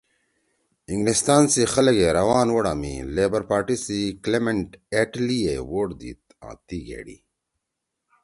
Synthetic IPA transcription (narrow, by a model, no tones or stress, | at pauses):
ĩŋɡlist̪aːnsixɐleɡeɾɐwaːnwoɽa̰ːmḭleːbɐɾpaːʈisiklemeɳʈeʈliewoːɽd̪ḭːt̪̚ã̰ːt̪iɡḛːɽḭ